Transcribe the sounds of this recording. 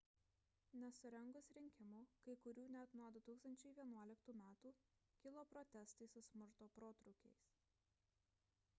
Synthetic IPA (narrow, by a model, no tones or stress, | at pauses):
nʲɛsʊɾʲɛŋɡʊsɾʲɪŋʲkʲɪmuːkɐɪkʊɾʲuːnʲɛt̪nuɔd̪ʊt̪uːkst̪ɐnʲt͡ʃʲɛɪʋʲiɛnuɔlʲɪkt̪uːmʲæːt̪uː | kʲɪlˠoːpɾɔt̪ʲɛst̪ɐɪsʊsʲmʊɾt̪oːpɾoːt̪ɾʊkʲɛɪs